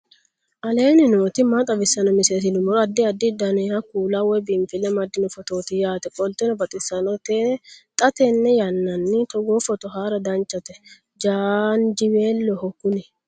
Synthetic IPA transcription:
ʔɐle̞ːnɪnoːt̪ɪmat̪ʼɐbɪsːɐnɔmɪseːs̬ɪlʊmɔɾɔɐd̪ːɪɐd̪ːɪd̪ɐnɛhɐkːuːlawɛbɪmfɪlɐmɐd̪ːɪnɔfɔt̪oːt̪ɪjaːt̪ɛkʼɔlt̪ɛnɔbɐt̪ʼɪsːɐnɔt̪eːɛt̪ʼɐt̪ɛnːɛjɐnːɐnːɪt̪ɔɡoːfɔt̪ɔɦaːɾɐd̪ɐnt͡ʃːɐt̪ɛ | d͡ʒaːnd͡ʒɪweːlːɔhɔkːʊnɛ

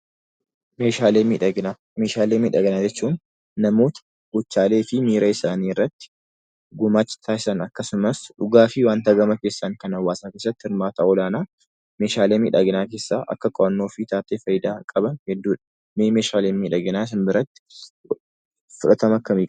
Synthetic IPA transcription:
meːʃaːleːmiːᶑɐɡɪnaː | meːʃaːleːmiːᶑɐɡɪnaːd͡ʒɛt͡ʃːuːnː | ɐmo̞ːt̪ɐ̥ | ɡɔt͡ʃːaːle̞ːfɪmiːɾɐɪsaːniːɪrːɐt̪ːɪ̥ | ɡʊmaːt͡ʃːɪ̥t̪ʰaːɪsɐnɐkːɐsʊmɐsᶑʊɡaːfɪwaːnt̪ɐɡɐmɐke̞ːsːɐŋkɐnɐwːaːsaːkeːs̬ːɐt̪ːɪhɪɾmaːt̪ʰɐɔlaːnaː | me̞ːʃaːleːmḭːᶑɐɡɪnaːke̞ːsːaːʔɐ̰kːɐkʼɔɐnːo̞ːfɪt̪aːt̪eːfɐjɪd̪aːkʼɐbɐnhɛd̪ːuːᶑɐ̥ | meːme̞ːʃaːleːmiːᶑɐɡɪnaːs̬ɐnbɪɾɐt̪ːɪ̥ | fʊᶑɐt̪ɐmɐkːɐmiːkʼ

